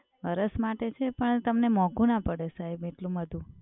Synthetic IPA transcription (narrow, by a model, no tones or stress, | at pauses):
əɾəsmaʈet͡ʃʰepəɳt̪əmnemɔ̃ɡũnapəɽesaebeʈlũməd̪ʱũ